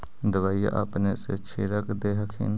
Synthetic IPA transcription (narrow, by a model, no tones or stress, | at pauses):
d̪əʋaːja̰ʔa̰pnesḛt͡ʃʰiːɽəkd̪eːɦəkʰɪ̰n